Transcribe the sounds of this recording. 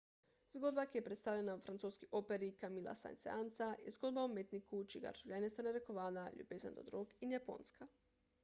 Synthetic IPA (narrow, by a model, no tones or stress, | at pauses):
zɡo̞d̪bakjepɾet̪st̪aʋʎenaufɾant̪soskiʔo̞peɾikamilˠa̰sa̰jnt̪sḛant̪saizɡo̞d̪baomet̪nikut͡ʃiɡa̰ɾʒ̥uʋʎʲanest̪aneɾekoʋaːlaʎṵbezand̪o̰d̪ɾoɡinapo̰ːnska